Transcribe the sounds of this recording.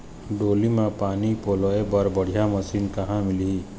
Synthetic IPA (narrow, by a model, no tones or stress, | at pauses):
ɖoːlimãpaːnipoːlɔebəɾbəɽ̤ijaməsiːnkɐɦãmɪli